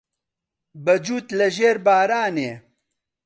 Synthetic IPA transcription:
bɐd͡ʒuːt̪lɐʒeːɾbaːɾaːneː

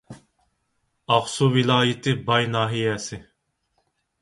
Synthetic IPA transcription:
ɑχsuwilˠɑːjɪt̪ʰɪbɑjnɑːɦijɛsɪ

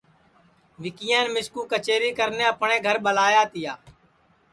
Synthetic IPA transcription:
ʋɪkɪjãːnmɪskuːkət͡ʃeːɾiːkəɾnẽːəpɳẽːɡʱəɾɓəlaːjaːt̪ɪjaː

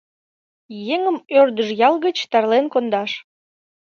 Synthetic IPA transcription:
jeŋəmørd̪əʒjɑlɣət͡ɕt̪ɑrlenkond̪ɑʃ

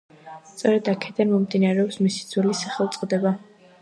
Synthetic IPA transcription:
st̪sʼɔɾɛd̪akʰɛd̪anmɔmd̪inaɾɛɔpsmisid̪zwɛlisaχɛlˠt̪sʼqʼd̪ɛba

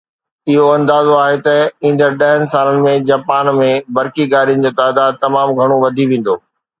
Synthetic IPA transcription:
ɪɦoɐ̃nd̪aːzoaːɦet̪ɐĩːn̆d̪əɾɗɐɦənɪ̆saːlənɪ̆mẽd͡ʑaːpaːnmẽbɐɾkiɡaːɾijənɪ̆d͡ʑeːt̪aːd̪aːd̪̚t̪ɐmaːmɡʱɐɽ̃oʋɐd̪ʱiʋẽːn̆d̪oː

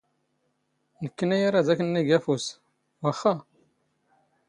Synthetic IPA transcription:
nəkːənæjaɾazækənːiɡæfus | wæχːa

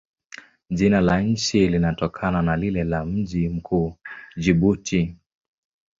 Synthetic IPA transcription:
ʄinalaɲ̩t͡ʃilinatɔkʰananalilɛlam̩ʄim̩kʰuːd͡ʒiɓutʰi

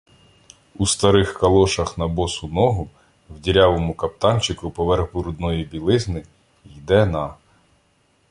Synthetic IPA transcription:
ust̪ɐɾɪxkɐlˠɔʃɐxn̪ɐbɔsʊnɔɦʊ | wdʲiɾʲɑʋɔmʊkɐp̚t̪ɑnt͡ʃɪkʊpɔʋɛrɣbʊɾʊd̪nɔjibʲilˠɪznɪ | jd̪ɛnɑ

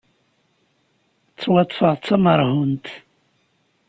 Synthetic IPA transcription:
t͡sːwɑt̪ˤːfəʁt͡sːɑməɾˤhunt̪

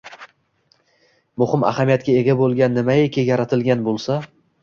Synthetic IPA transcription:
mʊhɪma̰hamijat̪kʲae̞ɡʲabolˠɡʲanːɪmaekʲʰɪjaɾat̪ʰɪlɡʲanbolˠsa

